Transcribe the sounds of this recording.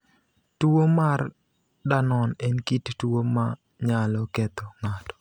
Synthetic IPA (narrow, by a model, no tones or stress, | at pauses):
tuwomar | danɔnɛnkittwoma | ɲalɔket̪oŋatɔ̥